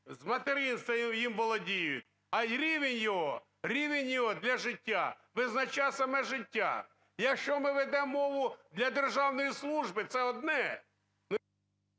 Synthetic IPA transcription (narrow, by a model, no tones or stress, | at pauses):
zmɐt̪eɾɪnst̪ɐjimbɔlˠɔdʲijʊt̚ʲ | ɐɾʲiʋenʲjɔɦɔ | ɾʲiʋenʲjɔɦɔd̪lʲɐʒɪtʲːa | ʋɪznɐt͡ʃasɐmɛʒɪtʲːa̰ | jɐkʃt͡ʃɔmɪʋed̪ɛmːɔʋʊd̪lʲɐd̪erʒɑwnɔjislˠuʒbɪt̪sɛɔd̪nɛ | nʊ